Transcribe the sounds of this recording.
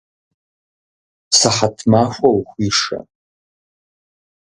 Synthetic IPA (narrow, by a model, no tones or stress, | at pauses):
saχatʰmafʷawχʷiʂa̰